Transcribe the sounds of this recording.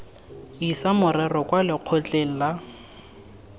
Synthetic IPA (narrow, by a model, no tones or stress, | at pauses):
isamʊrɛrɔkʼwalɪq͡χʰot͡ɬʼeŋ̩la